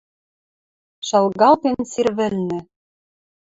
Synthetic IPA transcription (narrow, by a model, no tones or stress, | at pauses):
ʃɑlɣɑlˠt̪ensirβɘ̆lnɘ̆